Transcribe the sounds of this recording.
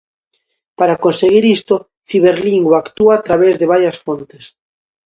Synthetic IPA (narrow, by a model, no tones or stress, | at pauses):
paɾakonseɣiɾist̪o | θiβeɾliŋɡwaːkt̪uaːt̪ɾaβezðeβaɾjasfont̪e̥s